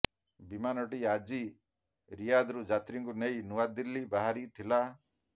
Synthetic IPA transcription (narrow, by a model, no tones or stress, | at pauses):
bimanɔʈiad͡ʒi | ɾijad̪ɾud͡ʒat̪ɾiŋkunejnuʋad̪ilːibaɦaɾit̪ʰila